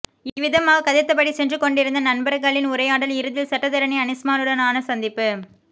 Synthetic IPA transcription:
ɪʋɪðɐmaːɣɐkɐðɪt̪ːɐpːɐɽisɛndrɯkɔɳɖɪɾɯnd̪ɐnɐnbɐɾɐɣɐɭɪnʊɾɐjaːɽɐlɪɾɯðɪlsɐʈːɐðɐɾɐniɐnɪsmaːnɯɽɐnaːnɐsɐnd̪ɪpːɯ

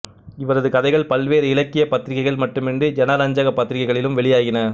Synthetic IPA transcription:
ɪʋɐɾɐðɯkɐðɐɪɣɐɭpɐlʋeːɾɪlɐkːɪjɐpɐt̪ːɪɾɪɣɐɪɣɐɭmɐʈːɯmɛndrɯd͡ʒɛnaːɾaːɲd͡ʒaːɣɐpːɐt̪ːɪɾɪɣɐɪɣɐɭɪlɯmʋɛɭɪjaːɣɪnɐ

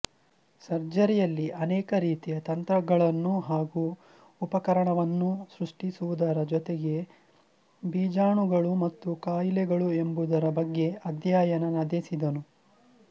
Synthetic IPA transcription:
sɐɾd͡ʒɐɾɛjɐlːiʔɐnɛːkɐɾiːt̪ijɐt̪ɐnt̪ɾɐɡɐɭɐnːuɦaːɡuː | pɐkɐɾɐɳɐʋɐnːusɾuʂʈisuʋud̪ɐɾɐd͡ʒɔt̪eɡe̞ | biːd͡ʒaːɳuɡɐɭumɐt̪ːukaːjilɛɡɐɭue̞mbud̪ɐɾɐbɐɡːe̞ɐd̪jaːjɐnɐnɐd̪esid̪ɐnu

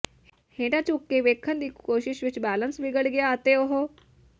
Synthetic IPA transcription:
hẽːʈat͡ɕukːeʋeːkʰənd̪iːkoːʃɪʃʋɪt͡ɕbæːlənsʋiɡəɽɡjaət̪eoɦo

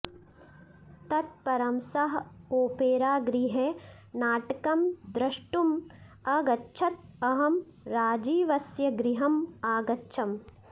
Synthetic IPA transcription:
t̪ɐt̪̚pɐɾɐmsɐɦoːpeːɾaːɡɾiɦenaːʈɐkɐmd̪ɾɐʂʈumɐɡɐtːt͡ʃʰɐt̪̚ɐɦɐm | ɾaːd͡ʒiːʋɐsjɐɡɾiɦɐmaːɡɐtːʃʰɐm

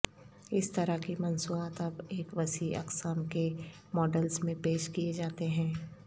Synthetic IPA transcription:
ɪst̪ɐɾakimɐnsuaːt̪ɐbeːkʋɐsiɐ̰ksaːmke | mɔːɖəlsmẽpeːʃkied͡ʒaːt̪eɦɛ̃ː

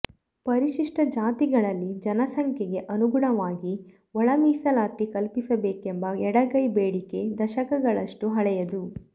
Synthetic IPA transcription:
pɐɾiʃiʂʈɐd͡ʒaːt̪iɡɐɭɐlːid͡ʒɐnɐsɐŋkʰjɛɡe̞ʔɐnuɡuɳɐʋaːɡi | ɔɭɐmiːsɐlaːt̪ikɐlpisɐbeːkembɐɛɽɐɡɐjbeːɽike̞d̪ɐʃɐkɐɡɐɭɐʂʈuɦɐɭɛjɐd̪u

